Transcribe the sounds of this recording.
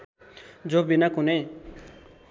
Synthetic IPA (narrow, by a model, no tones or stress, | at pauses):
d͡zobinakune